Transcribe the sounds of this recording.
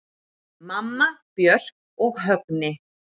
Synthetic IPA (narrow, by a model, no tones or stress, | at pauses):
mamːapjœr̥k | ɔɣɦœknɪ